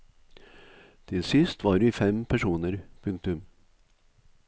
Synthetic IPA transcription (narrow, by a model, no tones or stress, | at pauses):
t̪ʰɪlsɪst̪ʋɑːɖɪfɛmpʰæʂuːnəɾpʰɵŋk̚t̪ɵm